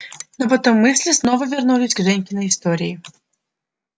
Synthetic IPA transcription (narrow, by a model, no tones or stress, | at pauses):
nɔpɐt̪ɔmːɨsʲlʲɪsnɔvəvʲɪrnulʲɪsʲɡʐɛnʲkʲɪnəɪst̪oɾʲɪɪ